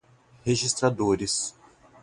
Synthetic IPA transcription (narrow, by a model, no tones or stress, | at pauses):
heʒist̪ɾad̪oɾɪs